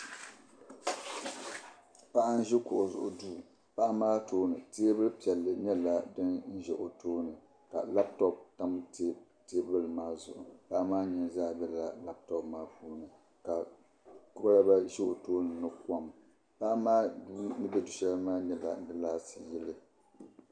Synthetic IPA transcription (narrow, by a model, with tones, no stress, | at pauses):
pa˦ʔa˦n̩˦ʒɪ˦kʊ˨ʔʊ˨zʊ̰˨ʔʊ˨duː˦˨ | pa˦ʔa˦maː˦toː˦nɨ˨teː˦bɨ˦lpi˨ɛ˨lːɨ˨ɲɛ˦la˦dɨ˦nn̩˦ʒɛ˨ʔo˨toː˦nɨ˨ | ka̰˨la˦btɔ˦p̚ta˦mte˦ | te˦bɨ˦lmaː˦zʊ̰˨ʔʊ̰˨pa˦ʔmaː˦ɲɛ˦nzaː˦bɛ˦la˨la˦b̚tɔ˦pmaː˦puː˦nɨ˨ | ka˨ | kʊ˦ba˦la˦ba˦ʒɛ˦o˨toː˦nɨ˨nɨ˦ka˦˨m | pa˦ʔmaː˦dnɨ˦bɛ˦du˨ʃɛ˦lmaː˦ɲɛ˦la̰˨nɨ˦laː˦sɨ˨jɛ˦lɨ˦